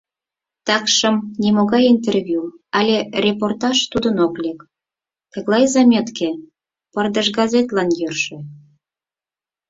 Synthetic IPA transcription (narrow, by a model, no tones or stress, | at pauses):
t̪ɑkʃə̆mnʲemoɣɑjint̪ervʲjuɑlʲerʲeport̪ɑʃt̪ud̪ənoklʲek | t̪ə̆ɣlɑjzɑmʲet̪ke | pərd̪əʃɡɑzet̪lɑnjørʃĕ